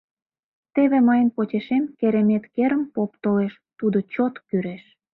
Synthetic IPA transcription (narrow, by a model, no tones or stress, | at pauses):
t̪eβemɑjənpot͡ɕeʃemkeɾemet̪keɾəmpop̚t̪oleʃ | t̪ud̪ot͡ɕot̪kyɾeʃ